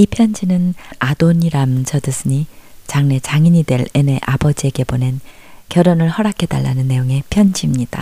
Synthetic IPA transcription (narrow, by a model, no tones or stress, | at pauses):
ipʰjʌnd͡ʑinɯnadoɲiɾamt͡ɕʌdɯs͈ʰɯɲit͡ɕaŋne̞t͡ɕaŋiɲidwe̞ɾe̞ne̞ʔabʌd͡ʑie̞ɡe̞bone̞n | kjʌɾonɯɭhʌɾakʰe̞da̰ɭːa̰nɯnːe̞joŋe̞pʰjʌnd͡ʑimɲid̥a̰